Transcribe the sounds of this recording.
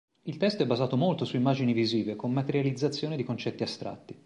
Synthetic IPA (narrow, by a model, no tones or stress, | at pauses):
ilt̪ɛst̪oɛbːazaːt̪omolt̪osuimːaːd͡ʒiniviziːvekomːat̪eɾjalid̪zːat̪sːjoːned̪ikont͡ʃɛt̪ːiast̪ɾa̰t̪ːi